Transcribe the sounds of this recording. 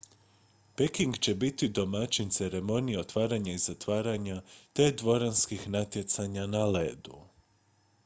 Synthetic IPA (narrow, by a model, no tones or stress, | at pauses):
pekiŋɡt͡ɕe̞bit̪id̪o̞mat͡ɕint̪se̞ɾe̞mo̞nijeo̞t̪ʋaːɾaɲaizat̪ʋaːɾaɲat̪e̞d̪ʋo̞ɾanskixnat̪je̞t̪saɲanaleːd̪u